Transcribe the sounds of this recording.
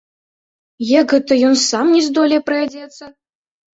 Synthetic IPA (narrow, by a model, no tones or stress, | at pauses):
jakɣɛt̪ɐjɔnsamnʲɛzd̪ɔlʲɛjpɾɐjʲad͡zʲɛt̪sːɐ